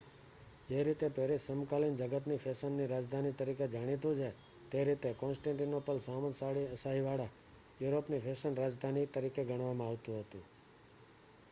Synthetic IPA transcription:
d͡ʒeɾit̪et̪eɾisəmkalind͡ʒəɡət̪nifʰesənːiɾad͡ʒd̪ʱanit̪əɾiked͡ʒaɽ̃it̪̬ũt͡ʃʰe | t̪eɾit̪ekɔ̃nsʈãɳʈinopəlsaməsaɽiəsaɦiʋaɽa | juɾopnifʰeʃənɾad͡ʒd̪ʱanit̪əɾikeɡəɳ̃ʋamãaʋt̪ũɦət̪ũ

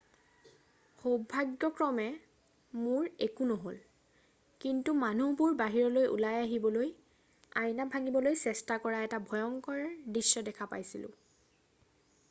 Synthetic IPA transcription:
xobʱːaɡjɔkɹɔmɛ | mʊɹekunɔɦol | kintumanubuɹbaɦiɹɔlojʔṵlajaɦibɔloj | ajnabʱaŋibɔlojsɛstakɔɹaɛtabʱɔjɔŋkɔɹdɹisːɔdɛkʰapa̰jsilʊ̰̃

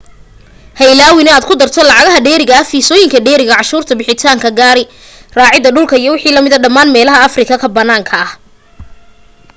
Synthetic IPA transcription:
hɛjlaːwɪnɛaːd̪kʰʊd̪ɐrt̪ʰɔlɑʕɑɣɐɦɐɖɛːɾɪɣɐɐhfiːsɔːjɪŋkʰɐɖɛːɾɪɣɐʕɑʃuːrt̪ʰɐbɪħɪt̪ʰaːŋkʰɐɡaːɾɪ | raːʕɪðɐɖʊlkʰɐijɔwɑħiːlɐmɪðɐɖɐmːaːnmɛːlɐɦɐɐfrɪkʰɐkʰɐbɐnːaːŋkʰɐɐh

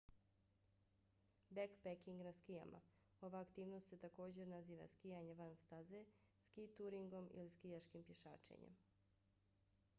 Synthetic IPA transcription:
bekpekiŋɡnaskija̰ma̰ | o̞ʋaːkt̪iːʋno̞st̪se̞t̪ako̞ːd͡ʑe̞ɾnaziːʋa̰skijaɲe̞ʋanst̪aze̞ | skit̪uːɾiŋɡo̞mḭliskijaʃkimpje̞ʃa̰ːt͡ʃḛɲḛm

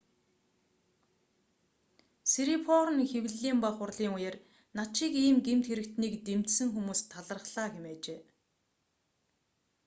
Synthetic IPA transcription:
seɾipʰɔɾə̆nxew̆ɮiːmpaχʊrɮiːŋujeːr | naʃikiːmɡem̥t̪xeɾɘ̆kt̪niːkt̪emt̪sɘ̆ŋxumuːst̪ʰːaɮə̆rχɮaːɡemæːt͡ɕeː

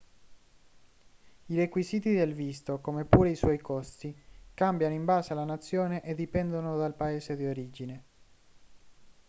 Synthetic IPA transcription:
irekwiziːt̪id̪elvist̪okomepuːɾeiswɔjkost̪ikambjanoimbaːsealanat̪sːjoːneʔed̪ːipɛnd̪onod̪alpaeːzed̪ioɾiːd͡ʒine

